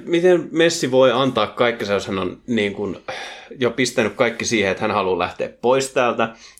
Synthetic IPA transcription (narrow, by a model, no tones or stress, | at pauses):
mit̪enmesːiʋoiɑnt̪ɑːkkɑikːisejoshænonniːŋkunjopist̪ænykkɑikːisiːheet̪hænhɑlulæ̰ht̪ḛːppoist̪æːlt̪æ